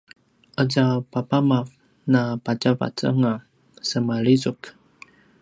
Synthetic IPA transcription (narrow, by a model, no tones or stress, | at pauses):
ʔəd͡ʒapapamaf | napat͡ʃava̰t͡sə̰ŋa | səmalizuk